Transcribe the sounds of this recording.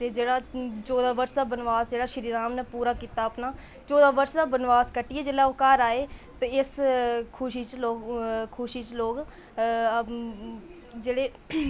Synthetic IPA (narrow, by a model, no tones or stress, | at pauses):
t̪eːd͡ʒeːɽaːt͡ʃɔːd̪aːbəɾʃd̪aːbənʋaːsd͡ʒeːɽaːʃəɾiːɾaːmneːpuːɾaːkiːt̪aːəpnaː | t͡ʃɔːd̪aːbəɾʃd̪aːbənʋaːskəʈɪeːd͡ʒeːlaːoːkaɾaːeːt̪õːɪskʰʊʃiːt͡ʃloːkkʰʊʃiːt͡ʃloːk | d͡ʒeːɽeː